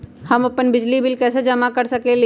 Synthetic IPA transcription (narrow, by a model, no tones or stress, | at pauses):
hɐmɐpənbɪd͡ʒlibɪlkɛːsed͡ʒɐmakɐɾsɐkel